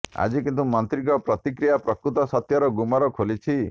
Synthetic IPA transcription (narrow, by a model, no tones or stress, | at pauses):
a̰d͡ʒikint̪umɔnt̪ɾikɔpɾɔt̪ikɾijapɾɔkɾut̪ɔsɔt̪jɔɾɔɡumɔɾɔkʰolit͡ʃʰi